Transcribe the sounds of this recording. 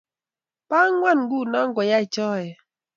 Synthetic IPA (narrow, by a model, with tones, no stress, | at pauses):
pa˦ŋwa˦˨nŋ̩˦ɡu˦˨na˦ŋ̩˦ɡwɔ˨ja˦i˨t͡ʃɔ˦˨ɛ˨